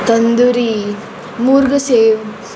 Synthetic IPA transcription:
t̪ɐnd̪uɾi | muːɾɡɐseːʋ

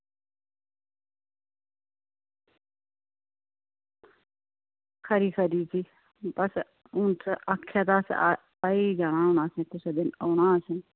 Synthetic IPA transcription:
kʰəɾiːkʰəɾiːsʰiː | bəs | ʊnsaːkʰːjaːt̪aːs | aiːd͡ʒaːɽ̃aːonaːsẽːt̪ʊsed̪ɪnoːɽaːsən

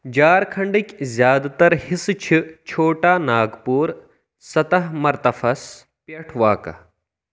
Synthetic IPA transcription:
d͡ʒaːɾkʰɐɳɖikʲzjaːd̪t̪ɐɾhɪst͡ʃʰit͡ʃʰoːʈaːnaːɡpuːɾ | sɐt̪ɐɦmɐɾt̪ɐfʰɐs | pjɐʈʰʋaːkɐ̰

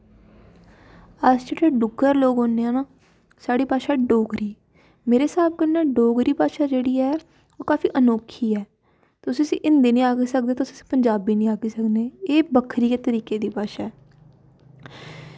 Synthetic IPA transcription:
əsd͡ʒeːɽeːɖʊɡəɾloːɡɦoːneːɛːnaː | saːɽiːpaːʃaːɖoːɡɾiː | meːɾeːsaːb̚kənɛːɖoːɡɾiːpaːʃaːd͡ʒeːɽiːɛː | oːkaːfiːʔənoːkʰiːɛː | t̪ʊsĩːəsḭ̃ːʔɪnd̪eːnĩːaːɡeːsək̚d̪eːt̪ʊsĩːəsĩ̥ːpəɲd͡ʒaːbiːnĩːaːɡeːsəkd̪eːeːbəkʰɾiːkeːt̪əɾiːkeːd̪iːpaːʃaːɛː

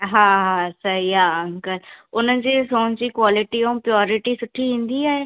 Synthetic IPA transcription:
ɦãːɦãːsəiaːəŋkəlʊnãːd͡ʒiːsoːnt͡ʃiːkwaːlɪʈiːõpɾɪjɔːɾɪʈiːsʊʈʰːiːɦɪ̃nd̪iːaːeː

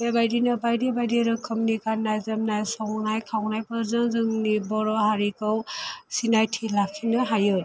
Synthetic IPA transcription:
ebajdinɯbajdibajdiɾɯkʰɯmnikanːajzɯmnajsɔŋnajkʰawnajpɯɾzɯŋzɯŋnibɔɾɔɦaɾikɯwsinajtʰilakʰinɯɦajɯ

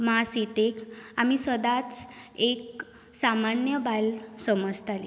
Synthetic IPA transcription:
masit̪ekamisəd̪at͡sek | samanjəbalsəməd͡zt̪ʰali

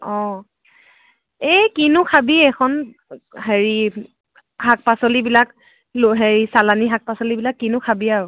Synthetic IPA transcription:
ɔ̃ | ekinʊkʰabiɛkʰɔn | ɦeɹi | hak̚pasolibilak | loɦeɹisalaniɦak̚pasolibilakːinʊkʰabiaɹʊ

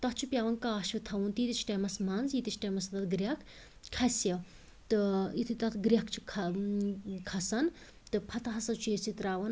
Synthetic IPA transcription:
t̪ɐtt͡ʃʰupjaːʋɐnkaːʃɨt̪ʰɐʋunt̪iːt̪it͡ʃʰʈɐmɐsmɐnzit̪it͡ʃʰʈɐːmɐsɐt̪ɐt̪̚ɡɾʲɐkʰ | kʰːɐsjɐ | t̪ɨit̪ʰɨt̪ɐt̪ʰɡɾʲɐkt͡ʃʰi̥kʰɐ | kʰɐsɐn | t̪ɨpʰɐt̪ɐɦɐsɐt͡ʃʰuesit̪ɾaːʋɐn

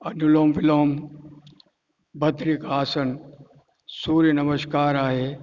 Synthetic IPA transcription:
ɐnuloːmʋɪloːm | bʱɐt̪ɾikaːsən | suːɾjənɐməʃkaːɾaːɦeː

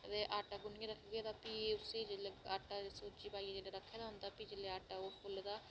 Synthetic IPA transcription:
t̪eːʔaːʈaːɡʊnɪjẽːɾəkʰɡeːd̪aːpiːʊseːd͡ʒeleaːʈaːsoːt͡ʃiːpaːiad͡ʒeːleːɾəkʰːeːd̪aːɦʊnd̪aːpiːd͡ʒeleːaːʈaːoːpʰʊld̪aː

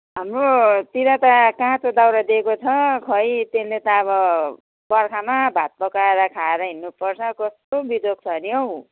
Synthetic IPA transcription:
ɦamrot̪iɾʌt̪ʌkãɦãt͡sod̪awɾad̪ekot͡sʰʌkʰʌjt̪enlet̪ʌːβʌ | bʌrkʰamabʱat̪̚pʌkaeɾʌkʰaeɾʌɦinːupʌrt͡sʰʌkʌst̪obid̪ok̚t͡sʰʌniʌw

